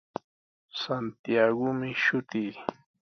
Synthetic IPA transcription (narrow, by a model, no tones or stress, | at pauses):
sant̪ijaɡʊmɪʃʊt̪iː